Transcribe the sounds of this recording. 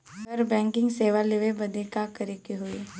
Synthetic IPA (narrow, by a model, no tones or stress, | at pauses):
əɾbɛ̃ːŋkɪ̃ŋɡseːʋaleʋebɐd̪ekakɐɾekiɦoe